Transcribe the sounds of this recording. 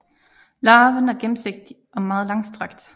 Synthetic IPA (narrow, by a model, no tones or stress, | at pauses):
lɑ̈ːʋənæɐɡ̥em̩se̝ɡ̥̚d̥i | ʔɒ̽mɑ̈ːð̞̩ˠlɑ̈ŋsd̥ʁaɡ̥d̥